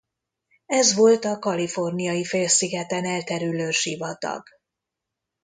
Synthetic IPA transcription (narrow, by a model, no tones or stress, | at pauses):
ɛzʋo̞lt̪ɒkɒlifo̞rnijɒjifeːlsiɡɛt̪ɛnɛlt̪ɛɾyløːʃivɒt̪ɒ̰ɡ